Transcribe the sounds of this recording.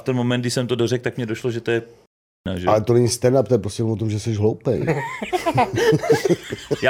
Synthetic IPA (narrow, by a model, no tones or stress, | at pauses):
ft̪ɛnmo̞mɛnɡdɪʃsɛmt̪odorɛk̚t̪akmɲɛdo̞ʃloʒɛt̪ojɛp | na̰ʒɛalɛt̪onɛɲist̪ɛnapt̪ojɛpɾostʲcɛnomvot̪omʒɛsɛʒɦlowpɛj | ja